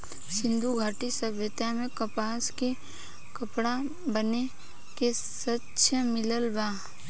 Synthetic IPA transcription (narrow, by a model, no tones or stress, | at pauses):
sɪ̃nd̪ʱuɡʱaːʈisəbjət̪jamẽkɐpaːske | kɐpɽa | bəne | ke | sɐtːʃʰəmɪləlbaː